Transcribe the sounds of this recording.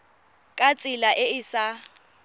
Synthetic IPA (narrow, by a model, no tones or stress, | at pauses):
kʼat͡sʼɪlaʔɪɪsa